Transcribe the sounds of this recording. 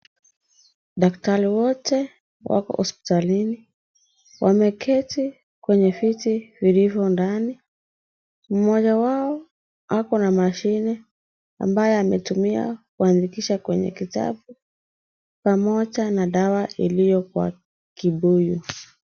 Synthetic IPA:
ɗaktaɾiwɔtɛ | wʔa̰kɔ̰hɔspi̥talini | wʔamɛkʰɛti | kwɛɲɛfitivilivjɔndani | m̩mɔʄawaɔ | akɔnamaʃinɛ | a̰mbajɛamɛtumia̰kuandikiʃakwɛɲɛ̰kita̰ɓu | pamɔʄanaɗawaʔilijɔkwa̰ | kiɓuju

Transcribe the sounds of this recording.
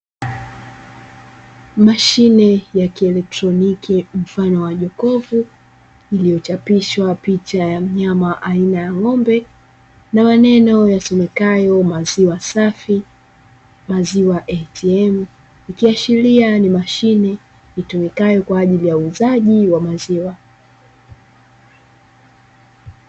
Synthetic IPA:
maʃinɛjakiɛlɛk̚tɾɔnikʰim̩fanɔwaʄɔkɔvu | ilijɔt͡ʃapiʃwapit͡ʃajam̩ɲamaʔainajaŋɔmbɛ | namanɛnɔjasɔmɛkajɔmaziwasafi | maziwaʔɛtiɛm̩ | ikiaʃilianimaʃinɛ | itumikajɔkwaːʄilijauːzaʄiwamaziwa

